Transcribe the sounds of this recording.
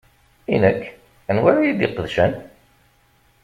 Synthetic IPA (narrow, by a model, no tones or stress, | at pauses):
ḭnəkː | ənwaɾijid̪ɪqəðʃæn